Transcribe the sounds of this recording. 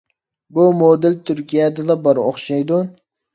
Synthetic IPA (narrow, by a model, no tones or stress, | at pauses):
bumod̪ɪlt̪ʰyɾkʲijɛd̪ɨd̪ɑbɑɾo̰χʃɑjd̪u